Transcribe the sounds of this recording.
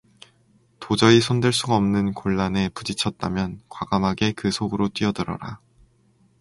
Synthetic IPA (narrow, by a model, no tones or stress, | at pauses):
tod͡ʑʌisʰondɯɭs͈uɡaʌmnɯnkoɭːane̞pud͡ʑit͡ɕʰʌt̚t͈amjʌnkwaɡamɦaɡe̞kɯsʰoɡɯɾot͈wɥiʌdɯɾʌ̰ɾa